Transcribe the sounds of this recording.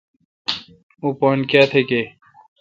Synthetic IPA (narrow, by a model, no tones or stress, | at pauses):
uːpoːnkjaːt̪ʰeke